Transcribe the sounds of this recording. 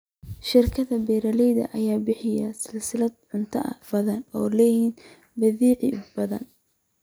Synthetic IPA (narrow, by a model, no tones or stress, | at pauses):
ʃɪrkʰɐðɐbɛːɾɐlɛjðɐ̰ʔɐjaːbɪħɪjɐsɪlsɪlɐd̪ʕʊnt̪ʰɐʔɐ̰fɐðɐnɔ̰ːlɛːjin | bɐðiːʕɪbɐðɐ̰n